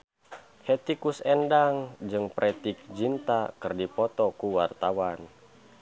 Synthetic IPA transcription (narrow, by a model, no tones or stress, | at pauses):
hɛt̪ikusɛndaŋd͡ʒɨŋpɾʔɛt̪ik̚d͡ʒint̪akɨrdipɔt̪ɔkuwart̪awan